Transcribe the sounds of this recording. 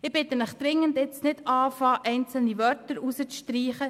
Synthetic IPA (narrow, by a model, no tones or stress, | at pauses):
ɪb̥ɪt̪ənɪχd̥ɾɪŋəndɪt͡snɪdɑːfɑːʔɛɪnt͡sl̩niʋœrtəɾusət͡sʃtriːχə